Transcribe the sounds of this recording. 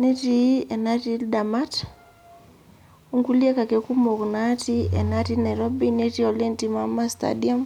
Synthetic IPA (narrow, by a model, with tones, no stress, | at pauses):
ne˦ti˦ɛ˨na˦tilda˨ma˦t | u˦ŋɡu˦li˦a˦ka˨kɛ˨ku˦mɔ˨knati˦ɛ̰˨nati˦na˨jɾɔ˦bi˦ne˦ti˦ɔ˨lɛ˦nti˦ma˦ma˦sta̰dia˦m